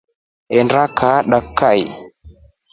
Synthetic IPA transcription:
ɛndɾakʰaɗakʰːaj

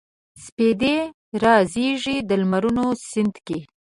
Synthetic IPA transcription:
sped̪e | ɾɑzeʐid̪əlmaɾunosɪnd̪ke

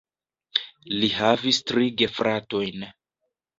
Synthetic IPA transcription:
liɦavistɾiɡe̞fɾʔato̞jn

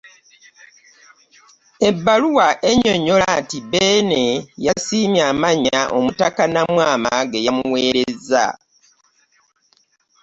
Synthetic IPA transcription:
e̞bːaluwaʔeɲo̞ɲo̞latibeːnejasiːmjaːmaɲaʔo̰mutakanamwaːmaɡejamuwe̞ːɾe̞za̰

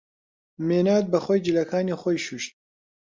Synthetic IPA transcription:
meːnaːd̪̚bɐxojd͡ʒilɐkʰaːniχojʃuːʃt̪̚

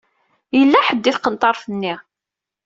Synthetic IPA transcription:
jəlːæħəd̪ːiθqənt̪ˤɑɾˤfənːi

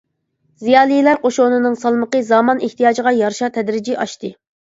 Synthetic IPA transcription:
zijɑːlˠijlæɾqoʃonɨnɨŋsɑlˠməqəzɑmɑneht̪ijɑːd͡ʒiʁɑjɑɾʃɑt̪ʰɛd̪ɾɪd͡ʒiʔɑʃt̪ɨ

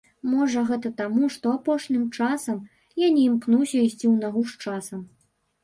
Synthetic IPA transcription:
mɔʐɐɣɛt̪ɐt̪amuʂt̪ɔapɔʂnʲimt͡ʂasɐm | janʲiimknuwsʲɐisʲt͡sʲiwnaɣuʂt͡ʂasɐm

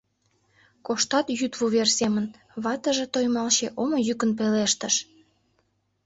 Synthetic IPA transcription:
koʃt̪ɑt̪jyt̪βuβersemən | βɑt̪əʒet̪ojmɑlɕeʔomojykənpeleʃt̪əʃ

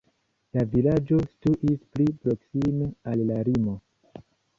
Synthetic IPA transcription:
lavilad͡ʒo̞stuʔisplipɾo̞ksimealːaɾimo̞

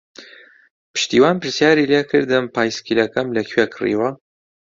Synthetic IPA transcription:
pʰɨ̥ʃt̪iːwaːnpɨɾsjaːɾileːkʰɨɾd̪ɨmpʰaːjskilɐkɐmlɐkʰwekʰɨrḭːwɐ

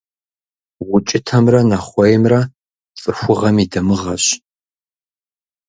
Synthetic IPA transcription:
wʊt͡ʃʼɪtʰɐmrɐnɐχʷɔjmrɐ | fʼɨxʷʊʁɐmidɐmɨʁɐɕ

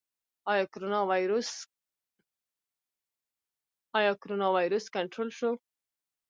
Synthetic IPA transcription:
ɑjɑkoɾonɑwjɾos | ɑjɑkoɾonɑwɑjɾuskaɳʈɾolʃo

